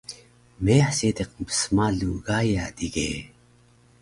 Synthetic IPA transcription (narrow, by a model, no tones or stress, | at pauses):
meseːt̪eqmpə̥smaːluɡaːjaːd̪iɡḛ